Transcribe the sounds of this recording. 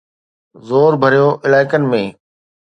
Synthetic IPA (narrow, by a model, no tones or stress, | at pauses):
zoːɾbʱəɾijoːʔɪlaːɪkənɪ̆mẽː